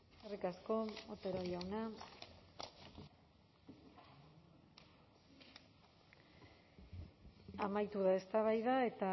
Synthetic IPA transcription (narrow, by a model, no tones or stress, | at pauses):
erikasko̞ot̪eɾojawna | amajt̪uðae̞st̪aβajðae̞t̪a